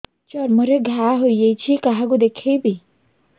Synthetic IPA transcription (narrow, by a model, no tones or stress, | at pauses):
t͡ʃɔɾməɾeɡʱaɦojjejt͡ɕʰikaɦaɡud̪ekʰejbʱi